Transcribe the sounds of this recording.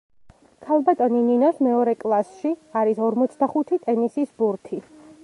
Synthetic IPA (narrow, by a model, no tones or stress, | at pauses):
kʰalˠbat̪ʼɔnininɔsmɛɔɾɛkʼlˠasʃiaɾisɔɾmɔt̪sʰd̪aχut̪ʰit̪ʼɛnisisbuɾt̪ʰi